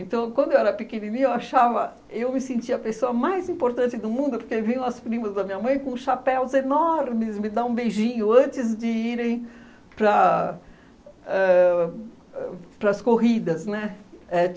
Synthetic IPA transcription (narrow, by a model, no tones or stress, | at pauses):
ẽnt̪ɐ̃w̃kwɐ̃d̪ʊewɛɾɐpɪkeninĩɲʊewaʃavɐ | ewmɪsẽnt͡ʃiɐpesoɐmajzĩmpoɾt̪ɐ̃t͡ʃɪd̪ʊmũd̪ʊpoɾkevĩɲɐ̃w̃ɐspɾĩmɐzd̪ɐmĩɲɐmɐ̃j̃kõsʃapɛwzenɔɾmɪsmɪd̪aũbejʒĩɲʊɐ̃nt͡ʃɪzd͡ʒɪiɾẽj̃ | pɾɐ | ɛ | ɛpɾɐskoɦid̪ɐznɛɛ